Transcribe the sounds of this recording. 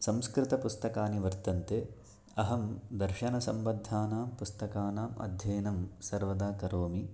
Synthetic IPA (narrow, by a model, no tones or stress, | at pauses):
sɐmskɾɪt̪ɐpust̪ɐkaːniʋɐɾt̪ɐnt̪eː | ɐɦɐmd̪ɐɾʃɐnɐsɐmʋɐd̪ʱːaːnaːmpust̪ɐkaːnaːmɐ̰d̪ʱjɐːnɐmsɐɾʋɐd̪aːkɐɾoːmi